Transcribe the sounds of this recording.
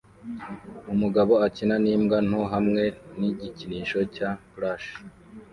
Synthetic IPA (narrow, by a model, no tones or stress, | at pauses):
umuɡaβo̞acinaniːmɡan̥uɦamŋe̞niɟiciniːʃo̞capɾaʃi̥